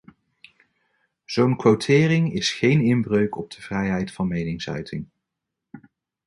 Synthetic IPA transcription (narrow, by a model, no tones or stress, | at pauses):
z̥ownkʋowtʰɪːrɪŋɪsχejnɪnbrøɥkɔb̚d̥əv̥rɛjɦɛjtfɑnmejnɪŋsœ̰ɥtʰɪŋ